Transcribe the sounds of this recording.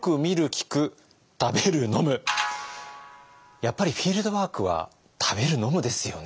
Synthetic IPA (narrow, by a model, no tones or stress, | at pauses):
kɯ̟mʲiɾɯ̟kʲi̥kɯ̟ | t̪abe̞ɾɯ̟no̞mɯ̟ | japːaɾʲiɸʲiːɾɯ̟d̪o̞βaːkɯ̟βa̰ | t̪ʰabe̞ɾɯ̟no̞mɯ̟d̪e̞sɨjo̞̰n